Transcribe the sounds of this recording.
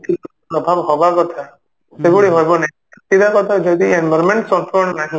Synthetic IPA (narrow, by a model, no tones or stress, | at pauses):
kit̪upɾɔbʱabɦɔbakɔt̪ʰa | sebuɽiɦɔjbɔnakt̪ːid̪akɔt̪ʰad͡ʒɔd̪ienbɔɾmeɳʈsɔmpɔɔnɔnaɦĩ